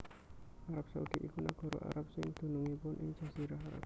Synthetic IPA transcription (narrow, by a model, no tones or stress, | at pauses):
ʔaɾap̚saud̪̥iʔikunaɡ̥ɔ̤ɾɔ̰ʔa̰ɾap̚sɪŋd̪̥o̤nuŋipʊnʔɪŋ̥ʒ̥a̤siɾaɦaɾa̰p̚